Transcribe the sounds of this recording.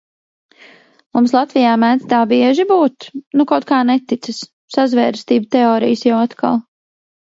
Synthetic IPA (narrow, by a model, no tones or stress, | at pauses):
mumslˠat̪vijaːmæːt̪t̪aːbiɛʒibuːt̪nukawt̪̚kaːnɛt̪it̪sɨs | sazvɛːɾst̪iːbt̪ɛɔːɾḭjəsjawat̪ka̰lˠ